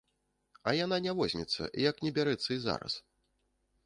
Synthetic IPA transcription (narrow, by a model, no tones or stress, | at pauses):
ɐjananʲavɔzʲnʲɛt̪sːɐ̰ʔijɐknʲɛbʲaɾɛt̪sːɐiza̰ɾɐ̰s